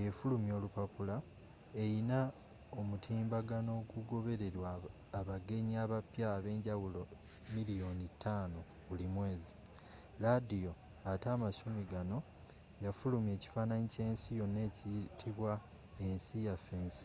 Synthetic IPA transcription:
efulumjo̞ːlupapula | e̞jina | omutʰiːmbaɡano̞ːɡuɡo̞βe̞ɾe̞ɾwaː | βaɡe̞ɲiaβapjaβe̞ːɲɟawulo̞ | milijo̞nitʰːaːno | βulimwe̞ːzi | ladijo̞ | ataːmasumiɡano̞ | jafulumje̞ːci̥faːnaɲice̞ːnsijo̞ne̞ːcitʰiβwa | e̞nsijafːe̞ːnsi̥

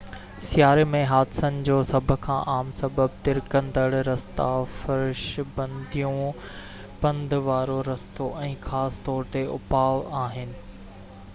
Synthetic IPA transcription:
sjaːɾemẽɦaːd̪sənɪ̆d͡ʑoːsɐbʱʊ̆kʰã̰ːʔaːmsɐbəbt̪ɪɾkɐ̃nd̪əɽɾɐst̪afɐɾʃbɐ̃nd̪ʱijũ | pɐ̃nd̪ʱʋaːɾoɾɐst̪oʔɛ̃ːxaːst̪ɔːɾt̪eʊ̰paːʋaːɦɪnɪ̆

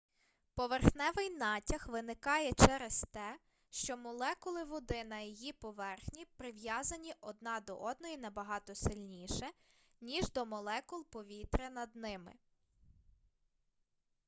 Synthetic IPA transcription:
pɔʋerxnɛʋɪjnɑtʲɐxʋɪnɪkɑjɛt͡ʃɛɾest̪ɛ | ʃt͡ʃɔmɔlˠɛkʊlˠɪʋɔd̪ɪnɐjɔjipɔʋɛrxnʲipɾɪʋjɑzɐnʲiʔɔd̪nɑd̪ɔ̰ʔɔd̪nɔjinɐbɐɦɑt̪ɔsɪlʲnʲiʃɛ | nʲiʒd̪ɔmɔlˠɛkʊlˠpɔʋʲit̪ɾɪnɐd̪nɪmɪ̰

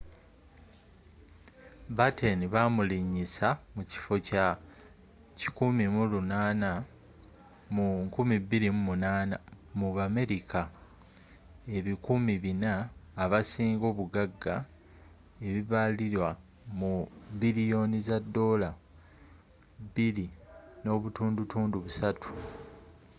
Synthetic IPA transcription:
bateniβamuliɲːisamuci̥fo̞ca | cikumimulunaːna | muŋkumibːiɾimumunaːna̰ | muβame̞ɾikʰa | e̞βikumiβinaːβasiːŋɡo̞ːβuɡaɡːa̰ | e̞βiβaliɾwa | mubilijo̞nizadːo̞la | βiɾino̞ːβutuːndutuːnduβusatʰu̥

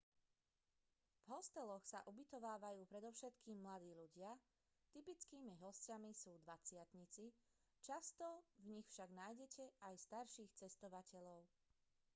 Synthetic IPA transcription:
vɦɔst̪ɛlɔxsa̰ʔubit̪ɔʋaːʋajuːpɾɛd̪ɔʊʃɛt̪kiːmːlad̪iːʎuɟɪa | t̪ipit͡skiːmiɦɔscamisuːd̪ʋat͡sɪat̪ɲit͡si | t͡ʃast̪ɔvɲixfʃaɡnajɟɛcʰɛajst̪aɾʃiːxt͡sɛst̪ɔʋacɛʎɔʊ

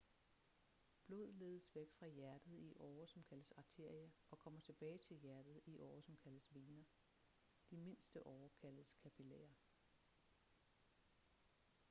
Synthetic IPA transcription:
b̥lo̝̰ð̞̰ˠle̝ːð̞ˠəsʋeɡ̥fʁɑ̈jæɐd̥ð̩ˠiʔɒːɐsɒ̽mkʰæləsɑ̈t͡sʰe̝ɐ̰jɐʔɒ̽kʰɒ̽m̰ɐt͡sʰe̝b̥ɛːɪt͡sʰe̝ljæɐd̥ð̩ˠiʔɒːsɒ̽mkʰæləsʋeːnɐ | d̥ime̝n̰sd̥əʔɒʊɐkʰæləskʰæpʰilɛ̰ːɐ

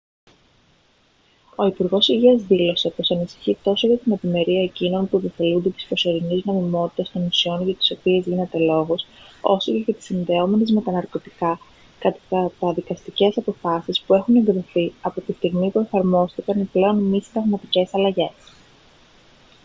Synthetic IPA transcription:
o̞ipuɾɣo̞siʝiɐzðilo̞se̞po̞sɐnisi̥çit̪o̞so̞ʝɐt̪ine̞vime̞ɾiɐe̞cino̞npuipife̞lund̪et̪i̥spɾo̞so̞ɾiniznomimo̞t̪i̥t̪ɐst̪o̞nisio̞nʝɐt̪i̥so̞pie̞zʝine̞t̪e̞lo̞ɣo̞so̞so̞ce̞ʝɐt̪i̥sinðe̞o̞me̞ne̞zme̞t̪ɐnɐɾko̞t̪ikɐ | kɐt̪ɐt̪ɐt̪ɐðikɐst̪ice̞sɐpo̞fɐsispue̞xune̞ŋɡɾiθiɐpot̪ist̪iɣmipue̞fɐɾmo̞sθikɐniple̞o̞nmist̪ɾɐɣmɐt̪ice̞sɐlɐʝe̞s

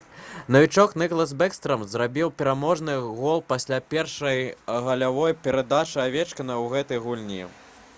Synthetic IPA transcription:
nɐvʲit͡ʂɔknɨklˠɐzbɛkst̪ɾɐmzrabʲiwpʲɛɾamɔʐnɨɣɔlˠpasʲlʲapʲɛrʂɐjɣɐlʲavɔjpʲɛɾad̪at͡ʂɨavʲɛt͡ʂkɐnɐwɣɛt̪ɐjɣulʲnʲḭ

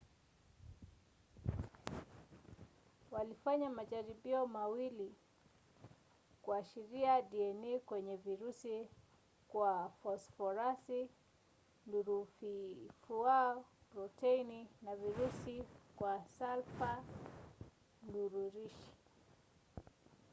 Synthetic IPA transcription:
walifaɲamaʄaɾiɓiɔmawili | kuaʃiɾiaɗiɛnikwɛɲɛviɾusi | kwafɔsfɔɾasi | nduɾufifuapɾɔtɛininaviɾusikwasalfa | nduɾuɾiʃi̥

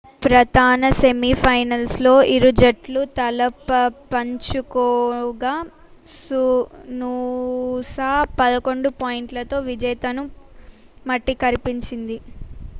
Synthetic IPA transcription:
pɾɐd̪ʱaːnɐsemipʰɐjnɐlslo̞ːʔiɾud͡ʒɐʈlut̪ɐlɐpɐpɐɲt͡ʃukɔːɡaː | sunuːsaːpɐd̪ɐko̞ɳɖupaːjiɳʈlɐt̪o̞ːʋid͡ʒɐjt̪ɐnu | mɐʈːikɐɾipiɲt͡ʃind̪i

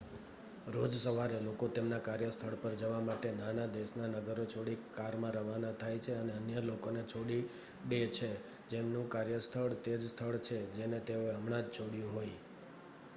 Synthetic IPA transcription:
ɾod͡ʒsəʋaɾelokot̪emnakaɾjəst̪ʰəɭpəɾd͡ʒəʋamaʈenanad̪esnanəɡəɾot͡ʃʰoɽikaɾmãɾəʋanat̪ʰajt͡ʃʰeəneənjəlokonet͡ʃʰoɽi | ɖet͡ʃʰe | d͡ʒemnũkaɾjəst̪ʰəɭt̪ed͡ʒst̪ʰəɭt͡ʃʰed͡ʒenet̪eoeəmɽãd͡ʒt͡ʃʰoɽijũɦoj

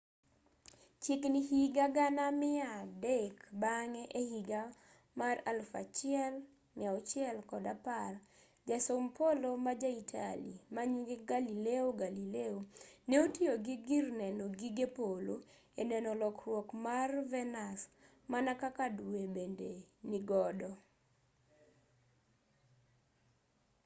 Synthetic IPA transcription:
t͡ʃiknihiɡaɡanamɪadɛkbaŋeʔehiɡa | maralfa̰t͡ʃɪɛl | nɪaɔt͡ʃɪɛlkɔdapar | d͡ʒasompʰolomad͡ʒaitʰa̰lḭmaɲiɡeɡalileoɡalileoneotioɡiɡirnɛnɔɡiɡepolo | enɛnɔlɔkrwɔkmarvɛnas | manakakadwebendeniɡɔdɔ

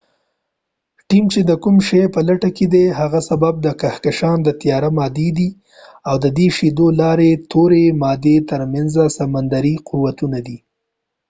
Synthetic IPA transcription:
ʈimt͡ʃed̪əkumʃejpəlaʈaked̪eɦaɣasabab̚d̪əkahkaʃɑnd̪ət̪ijɑɾamɑd̪ed̪i | awd̪əd̪eʃid̪olɑɾet̪ʰoɾemɑd̪et̪əɾmanzasamand̪aɾiquwat̪unad̪i

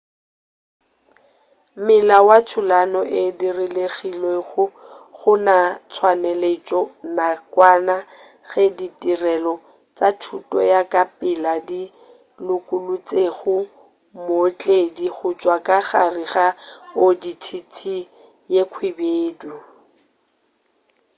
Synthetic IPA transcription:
mɪlawat͡sʰʊlanɔʔɪdirɪleɣileɣʊχʊnat͡sʰwanɛlet͡ʃʼɔnakwana | ɣɛditʼirɛlɔ | t͡sʼatʰutʼɔ̰jakʼapʼɪladi | lʊkʼʊlʊt͡sʼeɣʊ | mot͡ɬʼediɣʊt͡ʃʼwakʼaɣariɣaoditʰitʰi | jekʰwɪbeːdu

